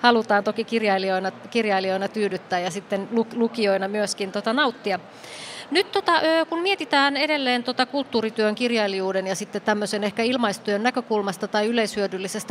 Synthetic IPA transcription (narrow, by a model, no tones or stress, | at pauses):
hɑlut̪ɑːnt̪okikirjɑilioinɑkirjɑilioinɑt̪yːdyt̪ːæːjɑsit̪ːenluklukioinɑmyøskint̪ot̪ɑnɑut̪ːiɑ | nyt̪t̪ːot̪ɑʔøːkunmiet̪it̪æːnedelːeːnt̪ot̪ɑkult̪ːuːrit̪yøŋkirjɑilijuːdenjɑsit̪ːett̪æmːøsenehkæilmɑist̪yønnːækøkulmɑst̪ɑt̪ɑiyleishyødylːisest̪æ